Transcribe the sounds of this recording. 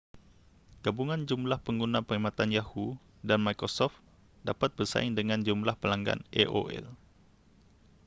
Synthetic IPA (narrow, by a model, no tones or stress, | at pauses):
ɡ̥abuŋãnd͡ʒumlahpəŋɡunãpəɾimãt̪anjahu | danmajkɾosɔft̪ | dapat̪̚bərsa̰ɪŋdəŋãnd͡ʒumlahpəlaŋɡa̰neʔo̰ʔɛ̰l